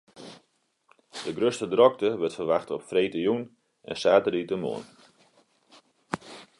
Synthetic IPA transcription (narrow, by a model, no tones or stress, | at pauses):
d̥əɡrøstədrɔk̚təʋətfərʋaxtɔpfreːtəjun | ʔɛ̰nsaːtəritəmo̰ːn